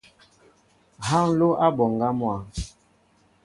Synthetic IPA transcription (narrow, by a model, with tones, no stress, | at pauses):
ha˦ŋ̩˦lo˦ʔa˦bɔ˨ŋ˨ɡa˦mwa˨